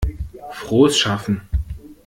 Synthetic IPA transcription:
fʁ̥oːsʃafn̩

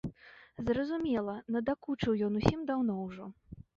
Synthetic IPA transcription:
zrɐzumʲɛlˠɐnɐd̪akut͡ʂɨwjɔn̪usʲimd̪awn̪ɔwʐɔ

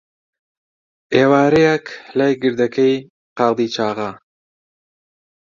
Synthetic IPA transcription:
ʔeːwaːɾɐjeklajɡɨɾd̪ɐkʰɐj | qɑːd̪iːt͡ʃʰaːʁɐ

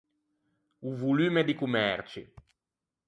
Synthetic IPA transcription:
uvulyːmed̪ikumɛrt͡ʃi

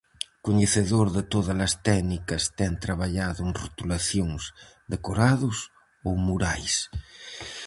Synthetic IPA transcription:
koɲeθeðoɾðet̪oðɐlɐst̪ɛɡnikɐst̪ɛnt̪ɾaβaʎaðʊeŋro̰t̪ulaθjoŋs | d̪ekoɾaðʊs | omuɾajs

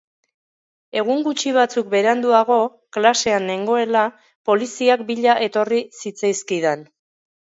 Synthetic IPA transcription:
e̞ɣ̞uŋɡut͡ʃiβ̞at͡suk̚be̞ɾand̪uaɣo̞ | klase̞anːe̞ŋɡo̞e̞la | po̞lisiak̚biʎaʔe̞t̪o̞risit͡sajskiðen

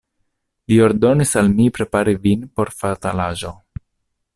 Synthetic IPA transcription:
lio̞ɾdo̞nisalmipɾe̞paɾivinpo̞ɾfat̪alaʒo̞

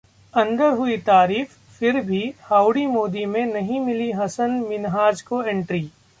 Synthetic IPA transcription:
ɐ̃nd̪əɾɦʊit̪aːɾiːf | fɪɾbʱihaːʊɽimoːd̪imẽnɐɦĩmɪliɦɐsənmɪnɦaːd͡ʒkoẽɳʈɾiː

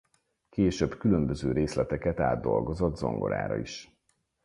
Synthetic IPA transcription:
keːʃøbkylømbøzøːɾeːslɛt̪ɛkɛt̪aːd̪ːo̞lɡo̞zod̪zo̞̰ŋɡo̞ɾa̰ːɾɒ̰iʃ

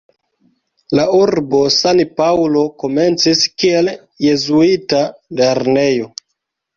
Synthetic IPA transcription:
lauɾbo̞sanpawlo̞ko̞me̞nt͡siskie̞l | jezuitale̞ɾne̞jo̞

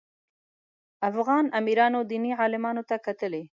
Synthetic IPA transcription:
afɣɑnamiɾɑnod̪iniʕɑlɪmɑnot̪akat̪əle

